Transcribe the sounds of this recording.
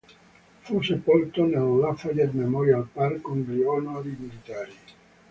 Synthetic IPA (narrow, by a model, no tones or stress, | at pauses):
fusepɔlt̪onelːafajed̪memɔɾjalparkːoŋɡliɔnoalimilit̪aːɾi